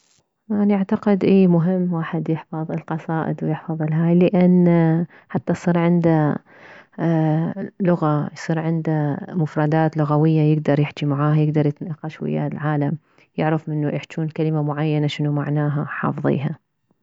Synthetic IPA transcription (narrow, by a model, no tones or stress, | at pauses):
manaʕt̪aqɪd̪ʔiːmʊɦɪmːwaːħɪd̪jɪħfɑðˤɪlqɑsˤɑːʔɪ̰d̪wjɪħfɑðˤɪlɦaːjlɪʔanː | ħat̪ːajsˤiːɾʕɪnd̪a | lʊɣajsˤiːɾʕɪnd̪amʊfɾˤɑd̪aːt̪lʊɣawɪjːajɪɡ̚d̪ɑɾˤjɪħt͡ʃ̪imaʕaːhajɪɡd̪ɑɾˤjɪt̪naqːɑʃwɪ̰ja̰lʕaːlam | jɪʕɾafmɪnːuʔɪħt͡ʃuːnkalɪmamʊʕajːanaʃɪnumaʕnaːɦaħɑ̰ːfðˤḭːɦa